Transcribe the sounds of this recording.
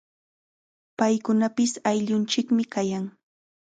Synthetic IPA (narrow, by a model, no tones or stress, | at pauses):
pajkʊnapɪsajʎʊnt͡ʃɪkmɪkajaŋ